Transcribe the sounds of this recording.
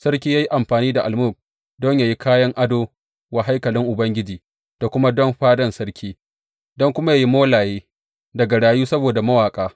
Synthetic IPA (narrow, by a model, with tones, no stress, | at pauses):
sɐ˦ɾk̬ʲiː˦ja˦ji˦ʔa˨mɸaː˨niː˦da˨ʔa˨lmʊ˦˨k̚ | dɔ˦ɲjaː˨ji˦kʰaː˦jɐ˦ŋʔa˦doː˦ | wa˨ɦa˦jkɐ˨lɪ˦ŋʔʊ˨bɐ˦ŋɡʲɪ˦d͡ʒiː˨ | d̥a˨kʷʊ˦ma˦dɔ˦mɸaː˦dɐ˦nsɐ˦ɽkʲiː˦ | dɔ˦ŋkʷʊ˦ma˦ja˨ji˦moː˦laː˨jeː˦ | dɐ˨ɡa˨ɽaː˨juː˦sɐ˦boː˨da˨mɐ˦waː˨kʼaː˦